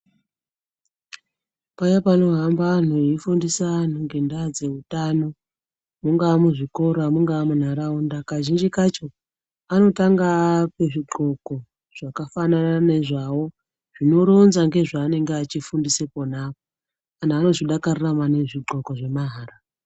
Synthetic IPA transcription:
pajapano̞ɦambaːn̤oifundisan̤uŋɡe̞ndad͡ze̞utano̞ | muŋɡaːmuʐiko̞ɾamuŋɡaːmun̤aɾaundakaʒind͡ʒikat͡ʃo̞ | ano̞taŋɡape̞ʐiɡ͡ǃʱo̞ko̞ | ʐ̥akafananane̞ʐawo̞ | ʐ̥ino̞ɾo̞nzaŋɡe̞ʐaːne̞ŋɡeat͡ʃifundiseponapo | anaːno̞ʐiɗakaruramane̞ʐiɡ͡ǃʱo̞ko̞ʐe̞maɦaːra

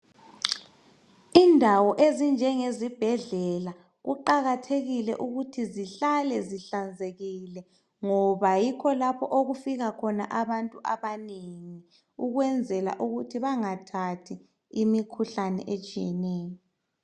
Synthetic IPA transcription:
indʱawɔʔezind͡ʒʱɛŋezib̥ʱɛɮɛla | ɣuǃaɣatʰeɣilɛ̰ʔuɣutʰiziɬalɛziɬand͡zʱeɣilɛ | ŋɔβajikʰɔlapʰɔʔoɣufiɣakʰɔna̰ʔaβantʼuʔaβaneŋi | uɣwɛnd͡zʱɛla̰ʔuɣutʰiβaŋatʰatʰi | imikʰuɬanɛ̰ʔet͡ʃʼijɛnɛːjɔ

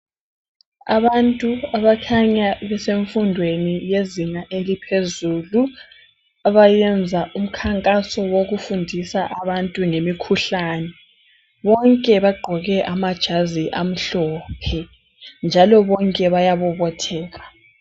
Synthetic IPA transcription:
a̰βantʼuaβakʰaɲaβɛseɱfundʱwenijezinaʔelipʰezuːlu | aβajɛnd͡zʱaʔum̩kʰaŋkʼasɔwoɣufundʱisaʔaβantʼuŋemikʰuɬaːnɛ | βɔŋkʼɛβaɡ͡ǃʱɔɣɛʔamad̥ʒ̥ʱaziʔam̩ɬɔːpʰɛ | nd͡ʒʱalɔβɔŋkʼɛβajaβɔβɔtʰɛːɣa

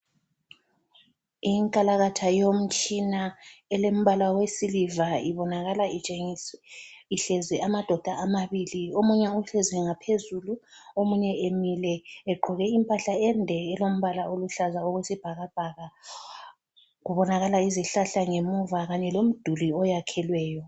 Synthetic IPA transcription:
iŋkʼalaɣatʰajom̩t͡ʃʼinaɛlem̩βalawesilivaiβɔnaɣalae | iɬɛzɛamad̥ʱɔd̥ʱaːmaβiliomuɲɛuɬɛzwɛŋapʰezuluomuɲɛemilɛːɡ͡ǃʱɔɣɛimpʼaɬaɛndʱɛːlom̩βalaoluɬazaoɣwesib̥ʱaɣab̥ʱaɣa | ɣuβɔnaɣalaiziɬaɬaŋemuvaɣaɲɛlom̩d̥ʱuliɔjakʰɛlwɛːjɔ

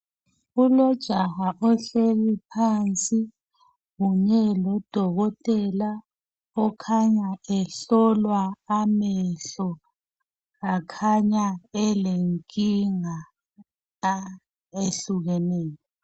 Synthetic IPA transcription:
ulɔd̥ʒ̥ʱaɣaʔɔɬeɣipʰant͡sʼi | ɣuɲɛlɔd̥ʱɔɣɔtʼɛla | ɔkʰaɲaɛɬɔlwaːmɛɬɔ | ɣakʰaɲaɛleŋkʼiŋa | eɬuɣɛnɛːjɔ

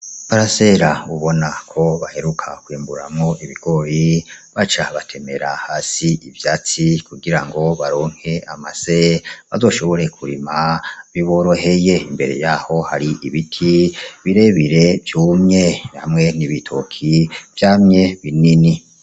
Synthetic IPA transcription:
βaɾase̞ɾauβo̞nakʰo̞βahe̞ɾukʰakwiːmbuɾa̰mŋo̞ʔiβiɡ̥o̞ɾiβat͡ʃaβatʰe̞me̞ɾa̰haːsiivjaːt͡sikuɡiɾaŋɡo̞βaɾo̞ːŋ̥he̞amaseβa̰zo̞ːʃo̞βo̞ɾe̞kʰuɾimaβiβo̞ɾoɦe̞je̞imbe̞ɾe̞̰jaho̞haɾiʔiβitʰiβiɾe̞βiɾe̞vjuːmɲena̰mŋe̞niβitʰo̰kʰiv̥jaːmɲe̞βinini

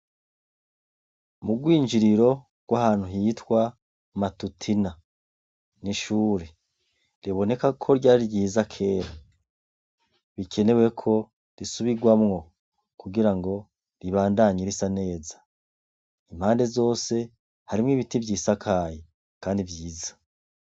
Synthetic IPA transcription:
muɡwiːɲd͡ʒiɾiɾo̞ | ɡ̥wahaːn̥huɦitwa | matutʰina | niʃuːɾe | ɾiβo̞ne̞kakʰo̞ɾɟaːɾiɾɟiːzakʰe̞ːɾa | βikʰe̞ne̞we̞kʰo̞ | ɾisuβiɡwamŋo̞ | kuɡiɾaŋɡo̞ | ɾiβaːndaɲeɾisane̞ːzḁ | im̥haːnde̞zo̞ːse̞ | haɾimŋiβitivɟiːsakʰaːje | kaːndivjiːzḁ

